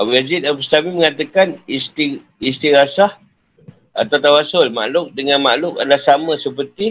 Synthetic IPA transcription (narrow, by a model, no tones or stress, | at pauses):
abujazit̪abust̪amiməŋat̪akanist̪i | ist̪iɾasah | a̰t̪awt̪awasʊlma̰ʔlʊk̚dəŋanmaʔlʊkadəlahsaməsəpərt̪i